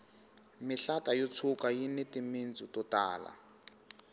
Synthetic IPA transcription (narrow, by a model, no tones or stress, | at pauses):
mɪɬatajɔt͡sʰukajinetimint͡sʼutɔta̰ːla̰